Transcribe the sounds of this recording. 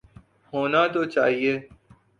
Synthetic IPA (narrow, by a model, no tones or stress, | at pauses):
hoːnaːt̪oːt͡ʃa̰ːɦieː